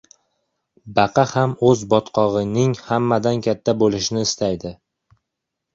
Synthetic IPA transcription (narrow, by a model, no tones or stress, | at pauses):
bɑqʰɑhamɵzbɒt̪qʰɒʁɨnɪŋhamːad̪ankʲʰat̪ʰːabolɪʃɪnɪːst̪ʰajd̪ɪ